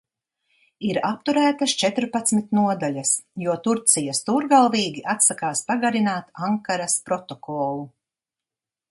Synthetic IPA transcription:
iɾap̚t̪uɾæːt̪ɐst͡ʃɛt̪ɾpat̪smit̪nuɔd̪aʎɐsjuɔt̪uɾt̪sijast̪uːɾɡalˠviːɡʲiʔat̪sakaːspaɡaɾinaːt̪aŋkaɾaspɾɔt̪ɔkɔːlˠu

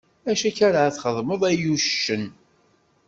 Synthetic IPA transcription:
æʃæçæɾʕæθχəðˤməðˤæjuʃʃːən

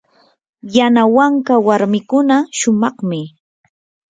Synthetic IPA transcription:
janawaŋkawaɾmɪkʊnaʃʊmɑχmɪ

